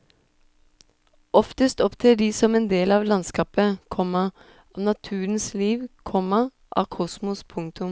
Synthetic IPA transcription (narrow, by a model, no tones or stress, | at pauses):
ʔɔft̪əst̪ɔpt̪ʰeːɖiːsɔmeːnd̪eːlɑːʋlɑnskɑːpəkʰɔmɑ | ʔɑːnɑt̪ʰʉːən̩sliːʋkʰɔmɑ | ʔɑ̰ːkʰɔsmʊspʰʊŋt̪ʊm